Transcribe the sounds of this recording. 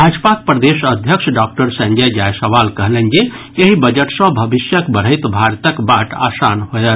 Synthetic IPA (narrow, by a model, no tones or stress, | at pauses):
ɾad͡ʒəpak̚pɾəd̪esəd̪ʱjəkʃʰɖak̚ʈəɾsə̃ɲd͡ʒəjd͡ʒajsəʋalkəɦlend͡ʒe | eɦibəd͡ʒəʈsə̃bʱəbisjəkbəɾ̤əjt̪bʱaɾt̪əkbaʈa̰sanɦojət̪